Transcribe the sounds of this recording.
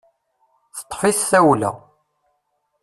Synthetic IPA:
θə̥t̪ˤːħiθθæwlæ̰

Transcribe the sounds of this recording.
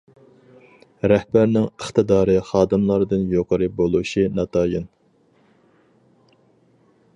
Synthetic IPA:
ɾɛhbæɾnɪŋəχt̪ɨd̪ɑːɾɨχɑːd̪ɨmlˠɑɾd̪ɨnjoqʰəɾɨbolˠuʃɨnɑt̪ʰɑːjɨn

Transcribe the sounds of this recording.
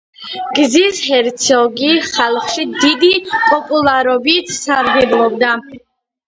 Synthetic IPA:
ɡzishɛɾt̪sʰɔɡiχalˠχʃid̪id̪ipʼɔpʼulˠaɾɔbit̪ʰsaɾɡɛblˠɔbd̪a

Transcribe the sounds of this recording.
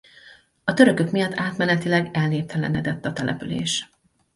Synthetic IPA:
ɒt̪ø̞ɾø̞kø̞kmijɒt̪ʰːaːt̪mɛnɛt̪ilɛɡɛlnːeːp̚t̪ʰɛlɛ̰nɛd̪ɛt̪ːɒt̪ɛlɛ̰pylḛːʃ

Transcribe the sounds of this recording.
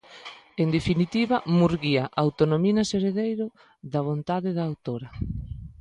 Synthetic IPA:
end̪efinit̪iβɐmuɾɣiaʔawt̪onominɐseɾeðejɾʊ | ðaβ̞ont̪aðɪðaːwt̪oɾɐ

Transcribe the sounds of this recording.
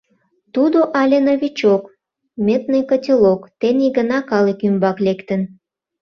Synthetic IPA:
t̪ud̪oʔɑlʲenoβʲit͡ɕok | mʲet̪nəjkətʲilokt̪eniɡənɑkɑlekymbɑklekt̪ən

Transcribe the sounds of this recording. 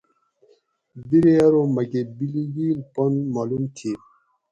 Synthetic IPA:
biɾeaɾomɐɡebiliɡilponmalumt̪ʰi

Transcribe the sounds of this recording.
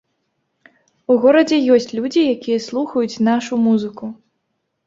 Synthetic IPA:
uɣɔɾɐd͡zʲɛjɔsʲt͡sʲlʲud͡zʲijakʲijɛslˠuxɐjut͡sʲnaʂumuzɨku

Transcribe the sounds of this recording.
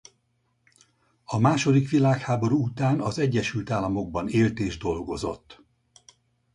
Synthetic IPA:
ɒmaːʃo̞d̪ikʋilaːkhaːbo̞ɾuut̪aːnɒzɛɟːɛʃylt̪aːlːɒmo̞ɡ̚bɒneːlt̪eːʒd̪o̞lɡo̞zo̞̰t̪ː

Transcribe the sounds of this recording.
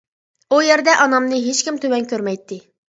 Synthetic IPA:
ujɛɾd̪ɛʔɑnɑmnɨɦet͡ʃkʲimt̪ʰøwɛnkʲʰøɾmɛjt̪ʰːɪ

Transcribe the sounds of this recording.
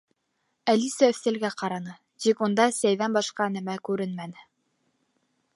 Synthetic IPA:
ælisæɵ̆θt̪æ̆lɡæqɑɾɑnɤ | t̪ikund̪ɑsæjðænbɑʃqɑnæmækʉɾɘnmænɘ

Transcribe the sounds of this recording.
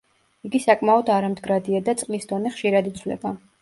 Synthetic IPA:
iɡisakʼmaɔd̪aɾamd̪ɡɾad̪iad̪at̪sʼqʼlisd̪ɔnɛχʃiɾad̪it̪sʰwlɛ̰ba

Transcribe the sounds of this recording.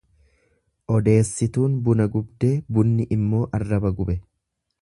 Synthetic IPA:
ʔɔd̪e̞ːsːɪt̪uːnbʊnɐɡʊbd̪e̞ːbʊnːɪʔɪmːo̞ːʔɐrːɐbɐɡʊbɛ

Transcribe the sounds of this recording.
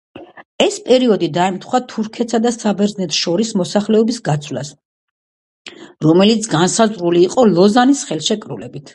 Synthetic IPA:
ɛspʼɛɾiɔd̪id̪aɛmt̪ʰχwat̪ʰuɾkʰɛt̪sad̪asabɛɾznɛt̪ʰʃɔɾismɔsaχlɛɔbisɡat̪sʰwla̰s | ɾɔmɛlit̪sʰɡansazʁɾuliːqʼɔlˠɔzanisχɛlˠʃɛkʼɾṵlɛbit̪ʰ

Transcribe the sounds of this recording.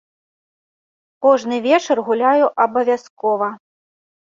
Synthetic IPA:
kɔʐnɨvʲɛt͡ʂɐrɣulʲajuʔɐbɐvʲaskɔvɐ

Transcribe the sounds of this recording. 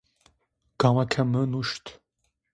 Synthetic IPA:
ɡ̥awakʰɛmənuʃt̪ʰ

